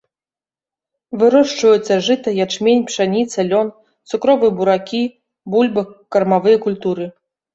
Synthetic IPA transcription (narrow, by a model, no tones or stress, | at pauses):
vɨɾɔʂt͡ʂvɐjut̪sːɐʐɨt̪ɐjat͡ʂmʲenʲpʂanʲit̪sɐlʲɔn | t̪sukɾɔvɨjɐbuɾakʲi | bulʲbɨkːɐrmavɨjɐkulʲt̪uɾɨ